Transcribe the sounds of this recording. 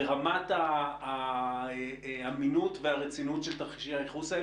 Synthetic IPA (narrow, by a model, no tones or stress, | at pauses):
eʁamataː | aminutveaʁet͡sinutʃelt̪aχʃiaeχusa